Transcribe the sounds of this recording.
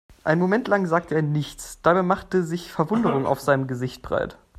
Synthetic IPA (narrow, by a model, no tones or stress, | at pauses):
ʔaɪnmomɛntlaŋzaːk̚tʰəeːɐnɪçt͡sd̥aːbamaχtəzɪçfɛɐvʊndəʁ̞ʊŋa̰ʊfz̥aɪnəmɡəzɪçt̚b̥ʁa̰ɪt